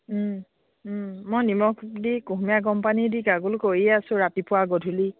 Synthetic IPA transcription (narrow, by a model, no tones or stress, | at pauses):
mɔjnimɔkdikuɦmijaɡɔmpanidiɡaɡulkojiasʊ̃ɹapipʊwaɡodʱuli